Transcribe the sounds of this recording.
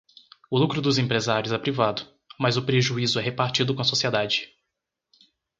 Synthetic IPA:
ʊlukɾʊd̪ʊzẽpɾezaɾjʊzɛpɾivad̪ʊ | mɐzʊpɾeʒuizʊɛɦepaɾt͡ʃid̪ʊkõɐsosied̪ad͡ʒɪ̥

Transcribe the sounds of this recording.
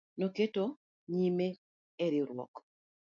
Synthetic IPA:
noketo | ɲime | eɾiɾwɔ̰k

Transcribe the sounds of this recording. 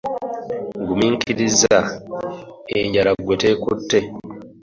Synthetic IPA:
ŋɡumiːŋkʰiɾiza | eɲɟalaɡwete̞ːkutːe̞

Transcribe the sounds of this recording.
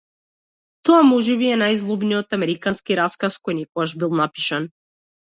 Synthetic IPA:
t̪ɔamɔʒɛβiɛnajzlˠubnijɔt̪amɛɾikanskiɾaskaskɔjnikɔɡaʒbilˠnapiʃan

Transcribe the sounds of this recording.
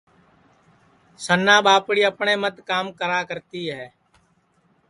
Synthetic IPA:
sənːãːɓaːpɽiːəpɳeːmət̪kaːmkəɾaːkəɾt̪iːɦɛː

